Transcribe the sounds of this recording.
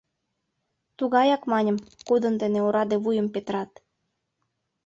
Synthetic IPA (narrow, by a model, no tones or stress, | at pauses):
t̪uɣɑjɑkmɑnʲə̆mkod̪ə̆nd̪eneoɾɑd̪eβujə̆mpet̪əɾɑt̪